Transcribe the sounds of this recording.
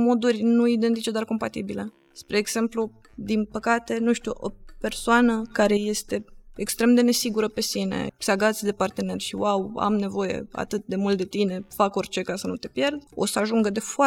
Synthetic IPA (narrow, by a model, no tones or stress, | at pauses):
mo̞d̪urʲnuid̪ent̪it͡ʃe̞d̪oarko̞mpat̪ibilə | spɾe̞ːɡse̞mplu | d̪inpəkat̪e̞nuʃt̪uʔo̞pe̞rsoanəkaɾe̞je̞st̪e̞ekst̪ɾe̞md̪e̞ne̞siɡuɾəpe̞sinḛseaɡat̪sʲd̪e̞part̪e̞ne̞rʲʃiwawa̰mne̞vo̞je̞̰a̰t̪ɨt̪̚d̪e̞mult̪d̪e̞t̪ine̞fako̞rʲt͡ʃe̞kasənut̪e̞pje̞rd̪o̞səaʒuŋɡəd̪e̞foa